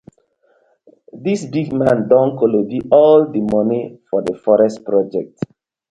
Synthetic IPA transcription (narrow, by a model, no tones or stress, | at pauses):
disbiɡmãndɔ̃ŋkolobiɔldəmɔnifɔdəfɔɹɛstpɹɔd͡ʒɛk̚t